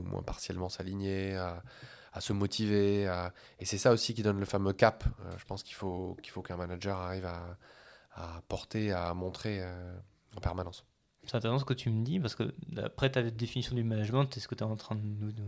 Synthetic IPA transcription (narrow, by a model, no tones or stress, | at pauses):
umwʔɛ̰̃paʁsjɛlmɑ̃saliɲea | asəmɔt̪ʰivea | esɛsaosikʲid̪ɔnləfamøkapø̰ʒəpɑ̃skʲi̥lfokʲi̥lfokɛ̃manaʒœʁaʁivaː | pɔʁt̪eamɔ̃t̪χeø | ɑ̃pɛʁmanɑ̃s | sɛ̥t̪ɛ̃t̪eʁɛs̬ɑ̃sə̥kət̪yməd̪ipaʁsə̥kə̰a̰pχɛt̪ad̪efinisjɔ̃d̪ymanaʒmɑ̃t̪ɛsə̥kət̪yɛɑ̃t̪χɛ̃d̪ənu